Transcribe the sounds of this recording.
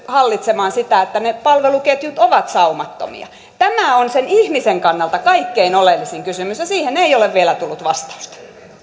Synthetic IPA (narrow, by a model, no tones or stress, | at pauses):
hɑlːit̪semɑːnsit̪æet̪ːænepɑlʋeluket̪jut̪oʋɑt̪sɑumɑt̪ːo̰mḭɑ̰ | t̪æmæˑonsenihmiseŋkɑnːɑlt̪ɑkɑikːeinolelːisiŋkysymysjɑsiːheneioleʋʋielæt̪ulːut̪ʋɑst̪ɑ̥u̥st̪ɑ̥